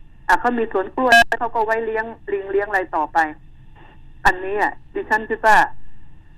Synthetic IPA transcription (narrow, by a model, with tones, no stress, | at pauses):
ʔa˨˩kʰa˧˥˩wmiː˧su˨˦ənklu˧˩ət̪̚ʰɛ˧˥˩kʰa˧˩wkɔː˥˩wa˧˥˩jli˦˧˥əŋli˧ŋli˦˥˩əŋla˧jt̪ɔː˨˩pa˧j | ʔa˧nːiː˦˥a˨˩t̪ʰiː˧˩t͡ɕʰa˥˩˨nt̪ʰiː˧˩waː˧˥˩